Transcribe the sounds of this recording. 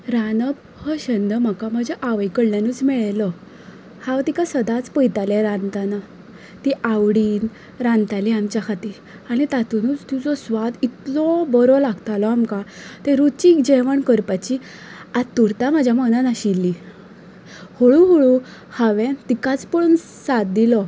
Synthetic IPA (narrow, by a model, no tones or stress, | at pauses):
ɾanəb | həɕənd̪m̤əkaməd͡ʑeʔaʋəjkəɽljanuːt͡smɛɭlɔ | hawt̪ikasəd̪at͡spəjt̪alɛɾant̪ana | t̪iʔaʋɽiːn | ɾãnt̪aliamt͡ɕjakʰat̪i | aɽ̃it̪at̪unuːt͡st̪ut͡sɔsʋad̪it̪lɔbɔɾɔlaɡt̪alɔamkat̪ẽɾut͡ɕikd͡ʑeʋəɳkəɾpat͡ɕi | at̪ːuɾt̪am̤ad͡ʑʱjamənanaɕilːi | hoɭũɦoɭu | haʋɛ̃t̪ikat͡spən | sat̪̚d̪ilɔ